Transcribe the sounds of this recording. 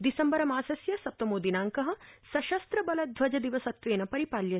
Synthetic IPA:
d̪isɐmbɐɾɐmaːsɐsjɐsɐp̚t̪ɐmoːd̪inaːŋkɐɦɐsɐʃɐst̪ɾɐbɐlɐd̪ʱʋɐd͡ʒɐd̪iʋɐsɐt̪ʋeːnɐpɐɾipaːljɐ

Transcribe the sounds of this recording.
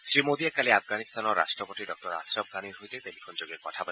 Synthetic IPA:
sɾimod̪iakaleapʰɡanist̪ʰanɔɾa̰sʈɾɔpoʈiɖɔk̚ʈɔɾa̰sɾɔb̚ʱɡaniɾɦojt̪et̪elipʰɔnd͡ʒoɡekɔʈʰabɔ

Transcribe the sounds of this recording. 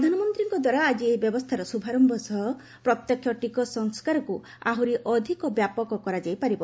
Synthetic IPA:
d̪ʱanɔmɔnt̪ɾiŋkɔd̪waɾaːd͡ʒiebjɔbɔst̪ʰaɾɔsubʱaɾɔmbʱɔsɔ | pɾɔt̪jɔkʰːjɔʈikɔsɔŋskaɾɔku | aɦuɾiʔɔd̪ʱikɔbjapɔkɔkɔɾad͡ʒajpaɾibɔ

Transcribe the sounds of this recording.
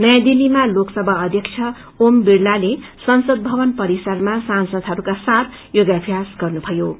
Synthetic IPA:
nʌjãd̪ilːimaloksʌbʱʌːd̪ʱjʌk̚t͡ʃʰjʌ | ombiɽlalesʌnsʌd̪̚bʱʌbʌnpʌɾisʌrmasansʌd̪ʱɦʌɾukasaɾ | joɡapʰjasɡʌrnubʱʌjo

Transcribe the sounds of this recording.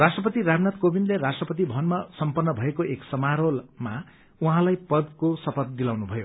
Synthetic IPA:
rasʈrʌpʌt̪iramnat̪̚kobinleɾasʈrʌpʌt̪ibʱʌnmasʌmpʌnːʌbʱʌekoʔeksʌmaɾolma | uɦãlajpʌd̪kosʌpʰʌt̪̚d̪ilawnubʱʌjo

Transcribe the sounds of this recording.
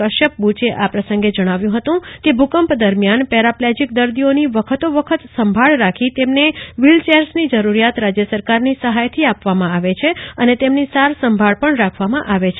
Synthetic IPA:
əʃəp̚but͡ʃeʔapɾəsə̃ŋɡed͡ʒəɽ̃aʋjũɦət̪ũkebʱukəmpd̪əɾmjanpɛɾaplɛd͡ʒik̚d̪əɾd̪ioniʋəkʰət̪oʋəkʰət̪səmbʱaɭɾakʰit̪emneʋilt͡ʃeɾsnid͡ʒəɾuɾjat̪ɾad͡ʒjəsəɾkaɾnisəɦajt̪ʰiapʋamãaʋet͡ʃʰeənet̪emnisaɾsəmbʱaɭpəɳɾakʰʋamãʔaʋet͡ʃʰ

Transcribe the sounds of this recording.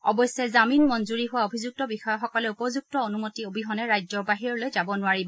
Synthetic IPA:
ɔbɔsjɛzaminmɔnzuɹiɦʊwaobʱizuk̚tɔbixɔjɔxɔkɔlɛupɔzuk̚tɔonumotiobʱiɦɔnɛɹajzɔɹbaɦiɹɔlojzabɔnʊaɹibɔ

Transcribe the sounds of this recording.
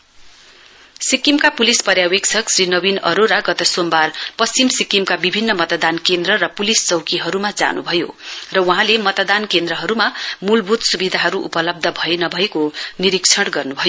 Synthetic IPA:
sikːimkapulispʌrjawekt͡sʰʌksrinʌbinʌ̰ɾoɾaɡʌt̪ʌsombarpʌst͡simsikːimkabibʱinːʌmʌt̪d̪ankend̪rʌrʌpulist͡sʌwkiɦʌɾumad͡za̰nṵbʱʌjo̰rʌwʌɦãlemʌt̪d̪ankend̪rʌɦʌɾumamulbʱud̪subid̪ʱaɦʌɾuʔṵpʌlʌb̚d̪ʱʌbʱʌenʌbʱʌekoniɾikt͡sʰʌɽɡʌrnubʱʌjo

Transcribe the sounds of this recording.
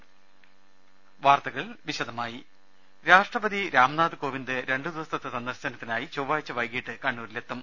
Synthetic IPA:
ʋaːrt̪ɐɣɐɭʋiɕɐd̪ɐmaːji | ɾaːʂʈrɐbɐd̪iɾaːmnaːd̪ɨko̞ːʋind̪ɨɾe̞ɳɖɨd̪uʋɐst̪ɐt̪ːɨsɐnd̪ɐrɕɐnɐt̪ːinaːjit͡ɕoːʋaːjit͡ɕːɐʋɐjkiʈːɨkɐɳːuːɾile̞t̪ːɐm

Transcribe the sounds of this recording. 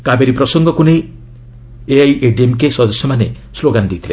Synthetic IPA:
kabeɾipɾɔsɔŋɡɔkunej | eajʔeɖiemkesɔd̪ɔsjɔmane | sloɡand̪it̪ʰile

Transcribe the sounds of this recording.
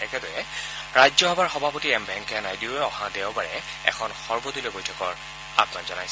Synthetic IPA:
ɛkɛdɔjɛ | ɹajzɔɦɔbaɹxɔbʱapɔtiɛmbʱɛŋkɛnajdiʊɛɔhãdeʊbaɹɛ | ɛ̰kʰɔnxɔɹbɔdulebɔjtʰɔkɔɹ | a̰pnanzɔnaj

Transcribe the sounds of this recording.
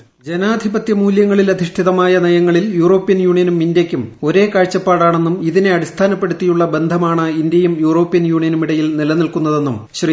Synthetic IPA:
d͡ʑe̞naːd̪ʱibɐt̪jɐmuːljɐŋːɐɭilɐd̪ʱiʂʈʰiðɐmaːjɐnɐjɐŋːɐɭiljuːro̞ːpːijɐnjuːɳijɐnumindjɐkʲːumo̞ɾe̞ːkaːɻt͡ɕːɐpːaːɽaːɳe̞nːumiðine̞ɐɽist̪ʰaːnɐpːe̞ɽut̪ːijuɭːɐbe̞nd̪ʱɐmaːɳɨind̪jɐjumjuːro̞ːpːijɐnjuːɳijɐnumiɽɐjilnilɐnilkun̪ːɐðe̞nːumɕri

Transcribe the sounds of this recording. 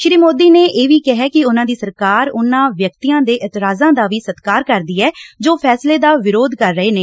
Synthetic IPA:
ʃɾiːmoːd̪iːneːʔeːʋiːkɛɦɛːkɪʊnãːd̪iːsəɾkaːɾʊnãːʋjəkt̪iːãːd̪eːʔɪt̪ɪɾaːzãːd̪aːʋiːsət̪kaːɾkəɾd̪iːɛːd͡ʒoːpʰɛːsleːd̪aːʋɪɾoːd̪kəɾːəɦeːneː

